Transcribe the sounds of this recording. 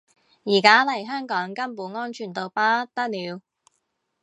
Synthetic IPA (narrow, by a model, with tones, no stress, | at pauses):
jiː˨˩kaː˥lɐ˨˩jɦœː˥ŋkɔː˨˥ŋkɐ˥mpuː˨˥nŋɔː˥nt͡ʃʰyː˨˩nt̪o˨wpaː˥t̪ɐ˥k̚liː˨˧w